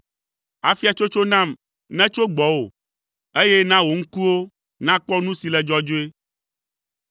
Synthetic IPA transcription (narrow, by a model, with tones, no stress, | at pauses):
a˨fi˦a˨t͡ʃo˦t͡ʃo˦nã˦˨m | nɛ̃˦t͡ʃo˦ɡ͡bɔ˨wo˨ | e˦jɛ˦nã˦wo˨ŋ̩˦ku˦wo˦ | nã˦k͡pɔ˦nũ˦si˨lɛ˨d͡ʒɔ˦d͡ʒo˦e˦